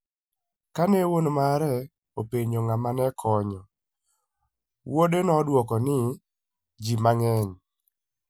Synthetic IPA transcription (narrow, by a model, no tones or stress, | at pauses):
kanewonmaɾɛ | opeɲoŋamanɛkʰɔɲɔ | wodenɔdwɔkɔnɪ | d͡ʒimaŋɛɲ